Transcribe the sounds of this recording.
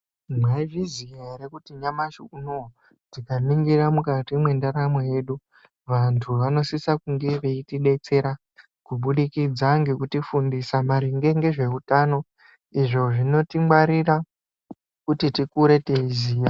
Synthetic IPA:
mwaivizieɾekutiɲamaʃukuno | tikaniŋɡiramukatimwe̞ndaɾamoje̞ːɗu | ʋantʰuʋano̞sisakuŋɡe̞ʋeitiɗe̞t͡se̞ɾa | kuɓuɗikid͡zaŋɡekutifundisamaɾiŋɡe̞ŋɡe̞ʐe̞utaːno̞ | iʐo̞ʐino̞timwaɾira | kutitikuɾe̞te̞iziːja

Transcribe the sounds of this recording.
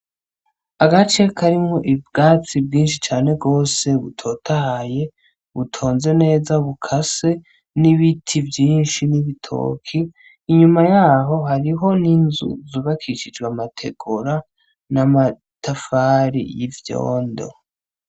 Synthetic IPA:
aɡat͡ʃe̞kʰaɾimŋo̞ʔibɡaːt͡sibɡiːnʃit͡ʃaːne̞bɡo̞ːse̞βṵtʰo̞ːtʰahaje̞ | βutʰo̞ːnze̞ne̞ːzaβukʰase̞ | niβitʰivjiːnʃiniβitʰo̞̰ːkʰiː | ɲumajaːɦo̞ɦaɾiɦo̞ninzṵzuβakʰit͡ʃid͡ʒɡwamatʰe̞ɡ̥oɾa | nama | tʰafaːɾḭjivjo̰ːndo̞̰

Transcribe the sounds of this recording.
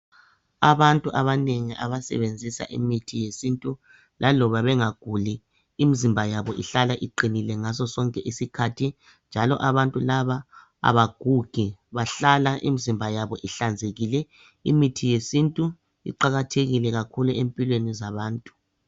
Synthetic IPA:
aβantʼuʔaβaneŋiʔa̰βasɛ̰βend͡zʱisa̰ʔḭmitʰijesintʼu | lʔalɔβaβɛŋaɡ̥ʱuliː | mizimbʱajaβɔʔiɬalaʔiǃinilɛŋasɔsɔŋkʼɛʔisikʰatʰi | nd͡ʒʱalɔ̰ʔaβantʼulaβa | a̰βaɡ̥ʱuɡ̥ʱiβaɬalaʔḭmizimbʱajaβɔʔiɬand͡zʱeɣilɛ | ḭmitʰijesintʼu | ḭǃaɣatʰeɣilɛɣakʰuluempʼilwenizaβaːntʼu̥

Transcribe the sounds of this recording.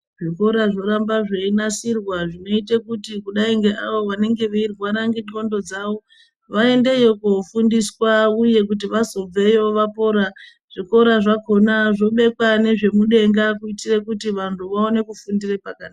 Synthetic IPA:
ʐiko̞ɾaʐo̞ɾambaʐeinasirwaʐino̞itekutikuɗaiŋɡeʔaʋo̞ʋane̞ŋɡe̞ʋeirɣwaɾaŋɡiŋo̞ndo̞d͡zaʋo̞ | ʋae̞nde̞jokufundiswauje̞k̬ut̬iʋazo̞b͡vejo̞ʋapo̞ɾa | ʐ̥iko̞ɾaʐako̞naʐo̞ɓe̞kwane̞ʐe̞muɗe̞ŋɡakuitirekutiʋantʰuʋaone̞kufundirepakaːn

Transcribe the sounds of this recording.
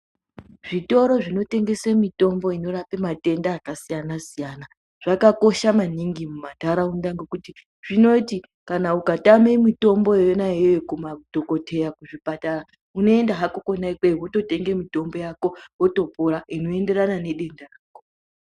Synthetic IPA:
ʐ̥ito̞ɾo̞ʐino̞te̞ŋɡe̞semito̞mbo̞ino̞rapemate̞ndaːkasijanasijana | ʐ̥akako̞ʃamaniŋɡimumataɾaundaŋɡokuti | ʐ̥ino̞ti | kanaukatame̞mito̞mbo̞jejonaeojekumadʱoko̞tʰe̞jakuʐipatara | uno̞e̞ndaɦakokonaikweɦoto̞te̞ŋɡemito̞mbo̞jako̞ɦoto̞poɾaino̞e̞nde̞ɾanane̞ɗe̞ndaraːko

